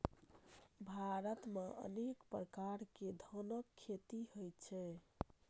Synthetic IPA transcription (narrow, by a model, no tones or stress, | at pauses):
bʱaɾət̪meʔə̰nekpɾəkaɾked̪ʱənəkʰːet̪ihojt̪t͡ʃʰɛ